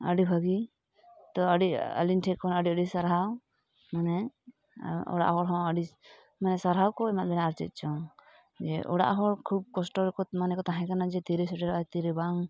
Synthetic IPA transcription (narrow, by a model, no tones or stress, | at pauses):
ə̰ɖibʱəɡi | t̪ɔəɖiɔ̰linʈʰɛkːɔnəɖiəɖisaɾɦaw | manɛ | ɔ̰ɽa̰ʔɦɔɾɦɔ̃əɖi | manɛsaɾɦawkɔɛmat̪̚bʱɛnaɾt͡ʃɛ̰t̪̚t͡ʃʰɔ | d͡ʒɛʔɔ̰ɽa̰ʔɦɔɾkʰub̚kɔsʈɔɾkɔmanɛkɔt̪aɦãkanad͡ʒɛt̪iɾesɔʈɛɾat̪iɾibaŋ